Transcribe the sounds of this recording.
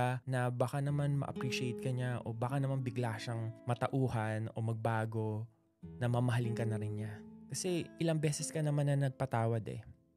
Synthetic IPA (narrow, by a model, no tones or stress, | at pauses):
anɐbaːkanɐmanmɐ̰ʔɐ̰pɾiːʃɪejt̪̚kɐɲaʔo̞̰baːkanɐmanbɪɡlaʃɐŋmɐt̪ɐʔuːhɐno̞̰mɐɡ̚baːɡo̞ | nɐmɐmɐɦɐlɪŋkɐnɐɾɪnɲakɐsɛʔɪlɐŋbɛːsɛskɐnɐmanːɐnɐɡ̚pɐt̪aːwɐd̪ɛ̰